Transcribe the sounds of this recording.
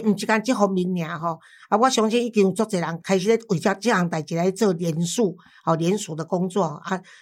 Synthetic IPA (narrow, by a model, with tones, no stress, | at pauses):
m̩˨˩t͡ɕi˧ka˧nt͡ɕi˦ɦɔ˧mi˨˧˦nːj̃ã˨˦ɦɔ˨ | ʔa˦wa˦ɕjɔ˧˦ŋt͡ɕɛ˦ni˦ki˧u˨˩t͡sɔ˥˧t͡se˨˩˨la˨˦ŋkʰa˧ɪɕ̬i˧˦le˦wi˨˩t͡ɕa˥˧t͡ɕi˦la˨˦ŋt̪a˨˩t͡ɕi˨la˨˦t͡sə˥˧ljɛ˨˧˦nsu˥˧ | hɔ˨˩ljɛ˧˦nsu˨˩d̪ə˨˧kɔ˦ŋt͡swɔ˥˧hɔ˨˧˩ʔa˦